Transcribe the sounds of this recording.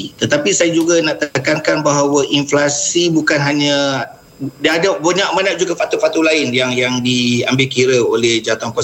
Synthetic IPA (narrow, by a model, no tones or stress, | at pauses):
it̪ət̪apisajad͡ʒuɡanaʔt̪akankanbaɦawaʔinflasibukanɦaɲã | daːdaboɲaʔ̚manaʔ̚d͡ʒuɡafat̪ufak̚t̪ulaɪnjaŋjaŋdiambɪlkiɾəolɛhd͡ʒaat̪aŋkɔ